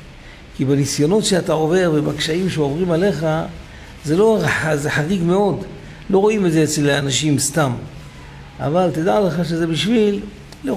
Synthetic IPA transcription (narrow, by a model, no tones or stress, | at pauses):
kibenisjo̞no̞tʃeat̪ao̞ve̞ʁbemakʃaimʃeovʁimale̞χa | zelo̞zeħaʁiɡme̞o̞d | lo̞ʁo̞imedzeet͡selaanaʃimst̪am | ʔa̰valt̪ed̪aleχaʃe̞ze̞biʃvilː | o